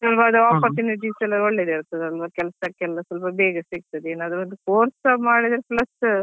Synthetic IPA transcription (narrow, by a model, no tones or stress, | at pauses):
sɐlpɐːd̪uaːpɐɾt̪uniʈisɛlːɐɾɔɭːed̪eiɾt̪ɐd̪ɐlʋɐkɛlɐsɐkɛlsɐsɐlpɐbeːɡɐsiɡ̚t̪ɐd̪eːnaːd̪ɾʋɐnd̪ukoːɾsɐmaːɽid̪ɐɾeplɐs